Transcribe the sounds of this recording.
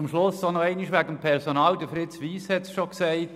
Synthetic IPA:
mʃlʊsːonɔɛɪnɪʃʋæɡəmpʰɛɾsonɑːldəfɾɪtsʋiːshɛtsʃoksɛɪt

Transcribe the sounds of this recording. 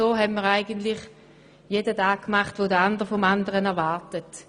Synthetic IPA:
oːɦɛmməːʁaɪɡəntlɪχ | jedətaːɡ̚kmaχtʋodəandəʁfɔmandəʁənɛɐʋaɐtət

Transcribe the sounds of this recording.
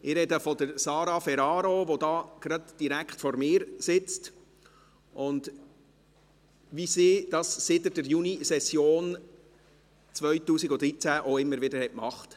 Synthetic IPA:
ɪɾɛdəfɔdəɾsɑːɾɑfɛɾɑːɾoʋod̪ɑːɡ̥ɾɑdd̥iɾækχtfɔɾmɪːɾsɪt͡st | ʔʊnd | ʋisiːd̥ɑːssɪtədəɾjunisɛsjoːn | t͡sʋœʏtuːsiɡʊd̪ɾit͡sæʔoɪmːəɾʋɪdəɾhɛtmɑχt

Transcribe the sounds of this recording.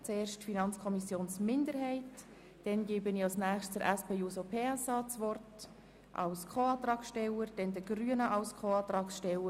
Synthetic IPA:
t͡seːɾʃtfinɑnt͡skʰɔmisjoːnsmɪndəɾɦɛɪt | d̥ɛnɡeːbənɪɑlsnæːχsttəɾæspeːjuːsopʰeːɛsɑːt͡svɔrt | ʔɑ̰wskʰoɑːt̪ɾɑːksʃtɛləɾd̥ɛndəɡ̥ryənəʔɑlskʰoɑːt̪ɾɑːksʃtɛlə

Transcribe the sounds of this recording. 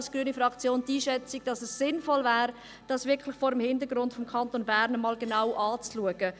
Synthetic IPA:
skɡ̥ɾyənifɾɑkt͡sjoːntiːʃɛt͡siɡ̥̚d̥ɑsɛssɪnfɔlvɛːɾ | d̥ɑsʋɪɾkʰlɪχfoːɾəmhɪndəɡɾʊntfɔmkʰɑntonbæːɾnəmɑːlɡenawʔɑːt͡sluəɡ̥ə

